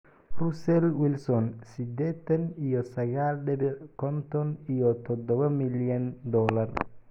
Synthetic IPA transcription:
rʊsɛlwɪlsɔnsɪd̪ɛːt̪ʰɐnijɔsɐɣaːlɖɛβɛkʰɔnt̪ʰɔnijɔt̪ʰɔd̪ɔβɐmɪljɐnd̪ɔːlɐr

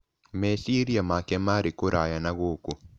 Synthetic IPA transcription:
mɛsiɾiamakɛmaɾikoɾʔajanaɣoku

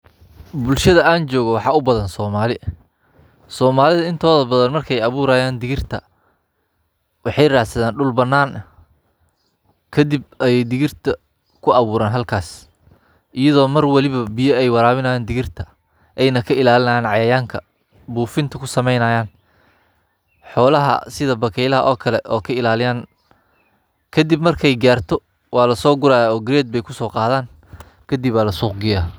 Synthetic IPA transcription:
bʊlʃɐðɐʔaːnt͡ʃɔːɣɔwɑħɑːʊbɐðɐnsɔːmaːlɪ | sɔːmaːlɪðɐɪnt̪ʰɔːðɐbɐðɐnmɐrkʰɛjɐβuːɾaːjaːnd̪ɪɣɪrt̪ʰɐ̰ | wɑħɑjraːħsɐðaːnɖʊlbɐnːaːn | kʰɐd̪ib̚ɐjɛjd̪ɪɣɪrt̪ʰɐ | kʰʊɐβuːɾaːnɦɐlkʰaːs | ʔɪjɐðɔːmɐrwɑlɪβɐbɪjɐɛjwɑɾaːβɪnɐjaːnd̪ɪɣɪrt̪ʰɐ̥ | ʔɛjnɐkʰɐɪlaːlɪnɐjaːnʕɑjɐjaːŋkʰɐ | buːfɪnt̪ʰɐkʰʊsɐmɛjnɐːjaːn | ħɔːlɐɦɐ̰sɪðɐbɐkʰɛjlɐɦɐʔɔːkʰɐlɛʔɔːkʰɐɪlaːlɪjaːn | kʰɐd̪ibmɐrkʰɛjɡaːrt̪ʰɔ | wɑːlɐsɔːɡʊɾaːɔːɡɾɛːd̪̚bɛjkʰʊsɔːqɑːðaːn | kʰɐd̪ibːaːlɐsuːqɡɪjaː

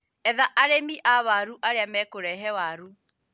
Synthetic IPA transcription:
ɛðaʔaɾemiʔaβaɾuʔaɾeamɛkoɾɛɦɛwaɾu

